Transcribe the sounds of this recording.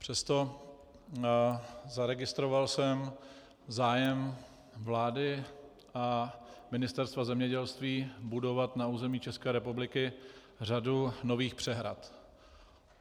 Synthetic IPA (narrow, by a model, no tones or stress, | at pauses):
pr̝̥ɛst̪o̞ | zaɾɛɡɪst̪ɾo̞valsɛm | zaːjɛm | vlaːdɪ | ʔamɪnɪst̪ɛɾst̪vazɛmɲɛɟɛlst̪viːbudo̞vat̪nauːzɛmiːt͡ʃɛskɛːɾɛpublɪkɪ | r̝aduno̞viːxpr̝̥ɛɦɾa̰t̪